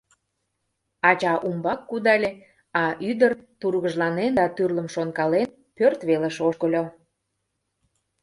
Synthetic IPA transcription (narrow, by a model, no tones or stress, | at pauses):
ɑt͡ɕɑʔumbɑkːud̪ɑlʲe | ɑʔyd̪ərt̪urɣəʒlɑnend̪ɑt̪yrləmʃonkɑlen | pørt̪βeləʃoʃkəlʲo